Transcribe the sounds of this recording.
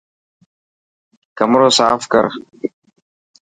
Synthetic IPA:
kɐmɾoːsaːfkɐ̰ɾ

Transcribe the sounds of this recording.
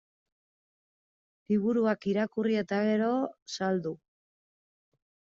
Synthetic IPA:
liβ̞uɾuakiɾakurie̞t̪aɣe̞ɾo̞sald̪u

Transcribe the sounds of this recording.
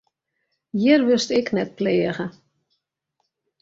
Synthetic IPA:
jɪrʋʏstɪknɛt̚pleːəɣə

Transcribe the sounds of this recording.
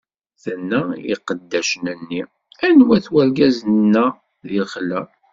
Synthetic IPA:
θənːæḭqəd̪ːæʃənənːi | ænwæθwæɾɡæznːæ | ðilχlæ

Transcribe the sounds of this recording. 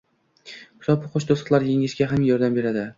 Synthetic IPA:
ʊ̥sɒpʰʊqʰoʃt̪osqlˠaɾjeŋɪʃɡʲaɦamjɒɾd̪ambe̞ɾad̪ɪ

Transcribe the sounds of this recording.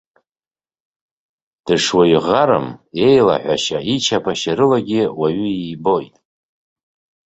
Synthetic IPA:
d̥ɨʂwajiʁaɾa̰mje̞jla̰ħᶣʷa̰ʃait͡ʃʰapʰaʃaɾɨlaɡʲɪwaɥʏiːbo̞jtʼ

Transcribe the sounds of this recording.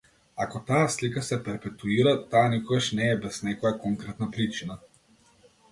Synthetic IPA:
akɔt̪aaslikasɛpɛɾpɛt̪uiɾat̪aːnikɔɡaʃnɛːbɛz̥nɛkɔjakɔŋkɾɛt̪napɾit͡ʃina

